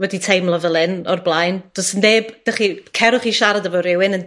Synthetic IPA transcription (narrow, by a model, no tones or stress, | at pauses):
wɛditʰejmlˠəvəlˠɪnɔrblˠajnd̥ɔsəndeːb̥d̥aχikʰɛɾʊχiʃaɾadəvɔɾɪwɪnən